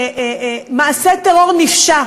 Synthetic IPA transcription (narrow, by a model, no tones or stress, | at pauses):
maːset̪eʁo̞ʁnifʃa